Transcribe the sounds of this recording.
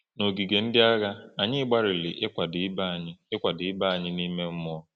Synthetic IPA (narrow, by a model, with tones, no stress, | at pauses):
no˨ɡi˨ɡe˨n̩˦dɪ˦a˦ɣa˦a˨ɲɪ˦ɡ͡ba˦ɾɪ˨lɪ˨ʔe˦kʷa˨dɪ˨˦ba˦˨ɲɪ˦e˦kʷa˨dɪ˨˦ɪ˦ba˦a˨ɲɪ˦ni˦me˦m̩˦mɔ˦